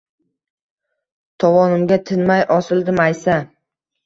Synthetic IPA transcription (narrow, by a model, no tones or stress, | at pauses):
t̪ʰɒvɒnɪmɡʲat̪ʰɪnmajʔɒsɪld̪ɪmajsa